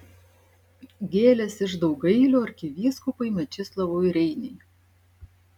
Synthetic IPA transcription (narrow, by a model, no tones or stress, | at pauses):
ɡʲeːlʲɛsɪʃd̪ɒʊɡɐɪlʲoːɐɾʲkʲɪʋʲiːskʊpɐɪmʲɛt͡ʃʲɪslˠɐʋoːɪɾʲɛɪnʲɛɪ